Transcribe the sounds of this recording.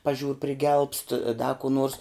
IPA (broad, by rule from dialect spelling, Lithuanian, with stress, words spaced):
pɐˈʒʲuːr pʲrʲɪˈɡʲɛlˠpst ˈdɐ kuː ˈnoːrs